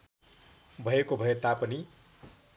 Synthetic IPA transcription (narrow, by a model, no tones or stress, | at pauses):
bʱʌjekobʱʌet̪apʌni